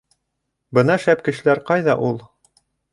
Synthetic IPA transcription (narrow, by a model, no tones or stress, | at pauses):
bɤnɑʃæp̚kɘ̆ʃɘ̆læɾqɑjðɑʔulˠ